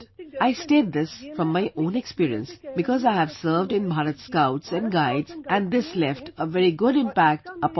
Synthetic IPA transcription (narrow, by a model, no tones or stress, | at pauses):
aɪsʈeːd̪̚d̪ɪsfɾɔ̃mːaɪʔõːnekspiːɾiə̰̃nsbɪkɔzaɪɦæʋsəːɾʋɖɪ̃nbʱaːɾət̪skaʊʈsæ̃nɡaɪdzʔæ̃nd̪ɪslɛfʈəʋɛɾiɡʊɾɪ̃mpæk̚ʈəp